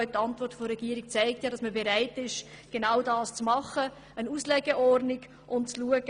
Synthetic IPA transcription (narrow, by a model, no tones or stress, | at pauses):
ʏtɑntvɔɾtfoɾɛɡiəɾik̚t͡saɪk̚tjɑːɾɑsməbeɾaɪtɪʃ | ɡ̥enaʊdɑːst͡smɑχə | ənuːslɛɡ̥eɛʔɔrnɪɡ | ʔʊntt͡sluəɡ̥ə